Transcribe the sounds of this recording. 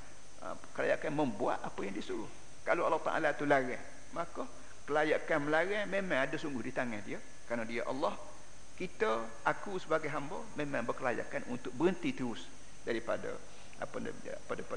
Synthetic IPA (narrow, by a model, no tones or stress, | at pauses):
ə̰ | kəla̰jaʔkanməmbua̰ʔ̪apəjaŋdiəsuɾʊh | kaloɑlːɔht̪a̰ʔa̰lat̪ulaɾah | makə | kəlajaʔkanməlaɾɛhmemãŋadəsuŋɡʊhdit̪aŋahdiə | kɾanədiəʔɑ̰lːɔh | kit̪ə | ʔakusəbaɡajɦambəmemãŋbərkəlaja̰ʔkanunt̪ʊk̚bəɾənt̪it̪uɾʊs | daɾipa̰də̰ | a̰pə̰ | padəpa